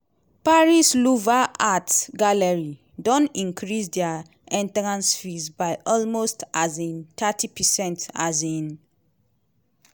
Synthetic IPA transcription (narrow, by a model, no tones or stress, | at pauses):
paɹisluvaʔatɡaləɹi | dɔ̃nĩŋkʰɹisdɛa | ɛ̃ntɹãnsfisbajʔɔlmostʔazĩntʰatʰipʰəsɛ̃nta̰zĩn